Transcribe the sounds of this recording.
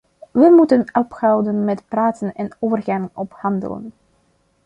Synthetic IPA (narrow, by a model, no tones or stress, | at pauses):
ʋəmutənɔphɑwdənmɛtpraːtənɛnoːvərɣanɔphɑndə̰lə̰n